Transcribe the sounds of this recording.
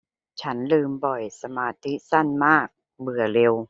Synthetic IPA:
t͡ɕʰa˦˥nlɯː˧mbɔ˨˩jsa˧maː˧t̪ʰi˦˥sa˥˩nmaː˥˩k̚ | bɯ˨˩ɐle˧w

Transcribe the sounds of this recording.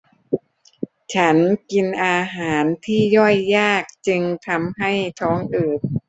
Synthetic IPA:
t͡ɕʰa˦˥nki˧nʔaː˧ɦaː˩˦nt̪ʰiː˥˩jɔ˥˩jːaː˥˩k̚t͡ɕɯ˧ŋt̪ʰa˧mɦa˥˩jt̪ʰɔː˦˥ŋʔɯː˨˩t̪̚

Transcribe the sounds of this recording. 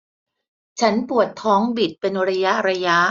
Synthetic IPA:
t͡ɕʰa˦˥npu˨˩ət̪ʰːɔː˦˥ŋbi˨˩t̪̚pe˧nɾa˧ja˦˥ɾa˧ja˦˥

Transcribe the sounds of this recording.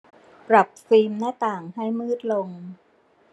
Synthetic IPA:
pɾa˨˩p̚fiː˧mnaː˦˥˩t̪aː˨˩ŋha˥˩jmɯː˥˩t̪̚lo˧ŋ

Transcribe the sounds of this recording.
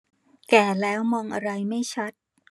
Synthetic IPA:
kɛː˨˩lɛː˦˥wmɔː˧ŋʔa˧ɾa˧jma˥˩jt͡ɕʰa˦˥t̪̚

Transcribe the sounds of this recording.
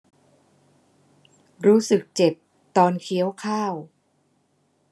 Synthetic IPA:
ɾuː˦˥sɯ˨˩k̚t͡ɕe˨˩p̚ | t̪ɔː˧nkʰi˦˥əwkʰaː˥˩w

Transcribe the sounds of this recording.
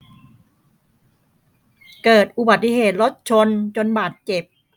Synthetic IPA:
kɤː˨˩t̪̚ʔu˨˩ba˨˩t̪ːi˧˩ɦeː˨˩t̪̚ɾo˦˥t̪̚t͡ɕʰo˧nt͡ɕo˧nbaː˨˩t̪̚t͡ɕe˨˩p̚

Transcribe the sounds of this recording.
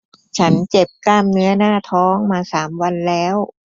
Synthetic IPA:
t͡ɕʰa˦˥nt͡ɕe˨˩p̚kaː˥˩mnɯ˦˥ɐnaː˥˩t̪ʰɔː˦˥ŋmaː˧saː˩˦mwa˧nlɛː˦˥w

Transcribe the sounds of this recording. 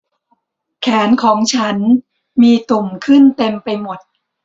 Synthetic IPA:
kʰɛː˩˦nkʰɔː˩˦ŋt͡ɕʰa˦˥n | miː˧t̪u˨˩mkʰɯ˥˩nt̪e˧mpa˧jmo˨˩t̪̚

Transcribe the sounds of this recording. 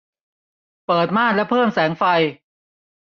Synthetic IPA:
pɤː˨˩t̪̚maː˥˩nlɛ˦˥pʰɤː˥˩msɛː˩˦ŋfa˧j

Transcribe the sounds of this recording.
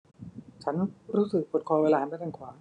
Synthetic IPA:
t͡ɕʰa˦˥nɾuː˦˥sɯ˨˩k̚pʰo˨˩t̪̚kʰɔː˧weː˧laː˧ma˥˩t̪a˧˩kʰwaː˩˦ŋ

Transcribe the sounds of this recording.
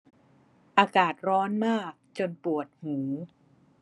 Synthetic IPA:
ʔaː˧kaː˨˩t̪̚ɾɔː˦˥nmaː˥˩k̚t͡ɕo˧npu˨˩ət̪̚huː˩˦

